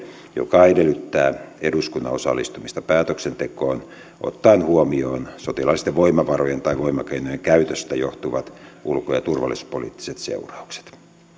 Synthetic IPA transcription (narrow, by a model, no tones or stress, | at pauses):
jo̰kɑedelːyt̪ːæːeduskunːɑ̰osɑ̰lːist̪umist̪ɑpæːt̪øksent̪ekoːn | ʔo̰t̪ːɑinhuomioːnsot̪ilɑiist̪eʋʋoimɑʋɑrojent̪ɑiʋoimɑkeinojeŋkæyt̪øst̪æjoht̪uʋɑt̪ʔulkojɑt̪urʋɑ̰lːˑisu̥polḭːt̪ːi̥set̪sḛurɑukse̥t̪